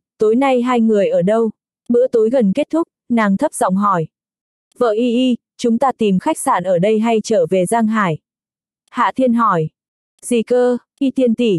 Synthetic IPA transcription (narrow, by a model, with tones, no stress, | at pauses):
t̪o˨˦jna˧jɦaː˧jŋɨ˨˩əjʔəː˧˩ɗə˧w | ɓɨ̰˧˥ət̪o˨˦jɣə˨˩nke˦˥t̚t̪ʰʊ˦˥k͡p̚naː˨˩ŋt̪ʰə˦˥p̚z̥ɔ̰˧˨wŋ͡mɦɔ˧˩j | və̰ː˧˨ʔi˧ʔi˧ | t͡ɕʊ˨˦ŋ͡mt̪aː˧t̪i˨˩mxa˦˥k̟̚saː˧˩nʔəː˧˩ɗə˧jɦa˧jt͡ɕəː˧˩ve˨˩zaː˧ŋɦaː˧˩j | ha̰ː˧˨t̪ʰi˧ənɦɔ˧˩j | z̥i˧˩kəː˧ | ʔi˧t̪ʰi˧ənt̪i˧˩